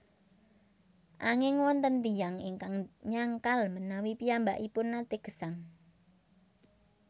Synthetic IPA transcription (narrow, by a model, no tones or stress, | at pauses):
ʔaŋɪŋwɔnt̪ənd̪ijaŋiŋkaŋɲaŋkalmənawipiambaʔipʊnːat̪eɡ̥ə̤̥saŋ